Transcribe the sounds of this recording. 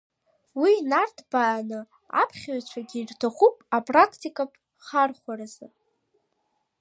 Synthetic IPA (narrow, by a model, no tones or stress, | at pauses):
winartʰb̥aːnɨ | a̰pʰχʲaɥt͡ɕʷʰaɡʲiːrtʰaχʷupʼapʼrakʰtʰikʼapʼ | χarχʷaɾazɨ